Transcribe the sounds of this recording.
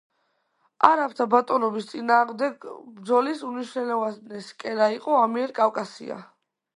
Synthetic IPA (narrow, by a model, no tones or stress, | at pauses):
aɾapʰt̪ʰabat̪ʼɔnɔbist̪sʼinaːʁmd̪ɛɡbɾd̪zɔlisuniʃnɛlɛvasnɛskʼɛɾaiqʼɔamiɛɾkʼafkʼasḭa̰